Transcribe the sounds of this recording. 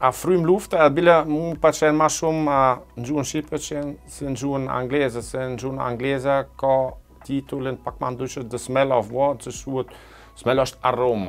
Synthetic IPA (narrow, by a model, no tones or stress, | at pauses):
afɾymluft̪abilɛmupat͡ʃɛnmaʃumand͡ʒuənʃipət͡ʃɛnsɛnd͡ʒuəna̰ŋɡlɛzasɛnd͡ʒuna̰ŋɡlɛzakɔ | t̪it̪ulənpak̚mand̪ut͡ʃəd̪əsmɛlɔvwɔt͡ʃəsuət̪ | smɛlɔʃt̪aroma̰